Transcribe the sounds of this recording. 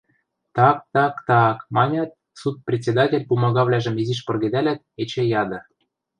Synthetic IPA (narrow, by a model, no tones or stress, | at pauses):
t̪ɑk̚t̪ɑkt̪ɑkmɑnʲɑt̪̚ | sut̪̚prʲet̪ʲt͡sʲed̪ɑtʲelʲpumɑɣɑβlʲæʒə̆miziʃ̬pɤ̆rɣĕd̪ælʲæt̪̚et͡ɕĕjɑd̪ɤ̆